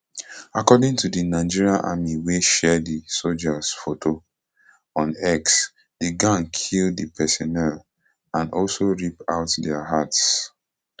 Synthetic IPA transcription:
akɔdɪ̃ŋtudinaɪd͡ʒiɹiaʔa̰miweʃɛdisold͡ʒasfotʰo | ɔ̃nɛks | d̥iɡãnkʰildipʰɛsɔnɛl | ãnɔlsoɹipa̰ʊtdɛaɦats

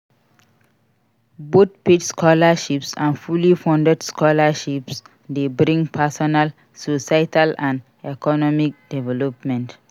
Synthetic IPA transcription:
bot̪̚petskʰɔlaʃipsãnfulifɔ̃ndɛdskɔlaʃips | debɾĩŋɡpʰasɔnal | sosatalãnd | ɛkɔnɔmik̚dɛvɛlɔpmɛ̃nt

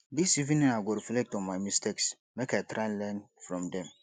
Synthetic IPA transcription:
disivĩnĩnaɪɡoɾiflɛk̚tɔ̃nmajmisteks | mekajtʰɾãnlɛnfɾɔ̃mdɛ̃m

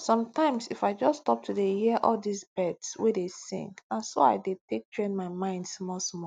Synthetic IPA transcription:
sɔ̃mtãɪ̃msifaɪd͡ʒɔstɔp̚tʰudehiʔɔldisbɛdswedesḭ̃ŋɡãnso̰a̰ɪdetek̚tʰɹẽnmaɪmãɪ̃ndsmɔsmɔ

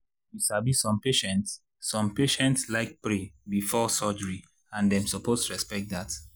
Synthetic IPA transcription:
jiʃabisɔ̃mpeʃɛ̃ntsː | ɔ̃mpeʃɛ̃ntslaɪk̚pɹebifɔsɔd͡ʒəɹi | ãndɛ̃msɔpʰostʰuɹɛspɛk̚t̚dat

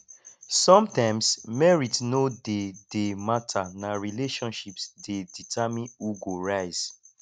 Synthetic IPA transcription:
sɔ̃mtãɪ̃msmɛɹitsnodedematʰanaɹileʃɔ̃nʃipsdeditʰamĩnuɡoɹaɪz̥

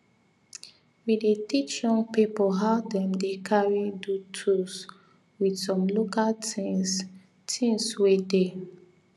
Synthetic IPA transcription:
widetit͡ʃjɔ̃ŋɡpipɔɦaʊdɛ̃mdekʰaɹidutʰus | widsɔ̃mlokaltis | tʰĩŋswede

